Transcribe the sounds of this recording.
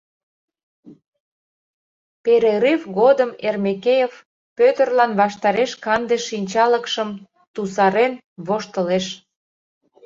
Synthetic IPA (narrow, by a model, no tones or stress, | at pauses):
peɾeɾevɣod̪əmermekejev | pøt̪ərlɑnβɑʃt̪ɑɾeʃkɑnd̪eʃinʲt͡ɕɑləkʃəm | t̪usɑɾen | βoʃt̪əleʃ